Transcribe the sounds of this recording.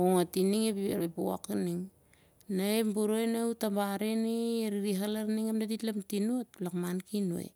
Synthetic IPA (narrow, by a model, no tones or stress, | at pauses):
oŋatiniŋepiepua̰kaniŋ | naembuɾoenautambaɾeneeɾiɾiɦalaɾniŋamdaditlamtinuot̚lakmankinuḛ